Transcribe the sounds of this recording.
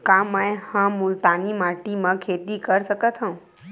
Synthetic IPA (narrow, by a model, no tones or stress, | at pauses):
kãmə̃ẽhãmʊlt̪animaʈimãkʰeːt̪ikəɾsəkət̪ʰɦãũ